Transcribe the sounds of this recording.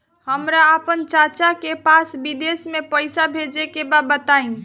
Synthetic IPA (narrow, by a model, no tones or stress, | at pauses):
həmɾaəpənt͡ʃat͡ʃakepasbid̪esmepəjsabʱed͡ʒekebabət̪ain